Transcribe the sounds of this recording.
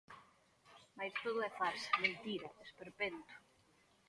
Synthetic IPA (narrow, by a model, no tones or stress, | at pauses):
majst̪oðʊɛfasment̪iɾɐespeɾpent̪ʊ̥